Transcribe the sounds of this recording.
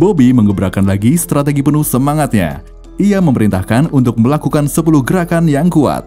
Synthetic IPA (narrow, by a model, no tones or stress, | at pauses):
bobiməŋəbɾakanlaɡist̪ɾat̪̬eɡipənʊhsəmaŋat̪̚ɲa̰ | ʔiaməməɾint̪ahkanunt̪ʊk̚məlakukansəpulʊhɡəɾakanjaŋkua̰t̪̚